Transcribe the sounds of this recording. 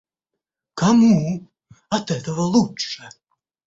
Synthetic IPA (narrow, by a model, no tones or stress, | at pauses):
kɐmu | ɐt̪ɛt̪ɐvɐlˠuʂɛ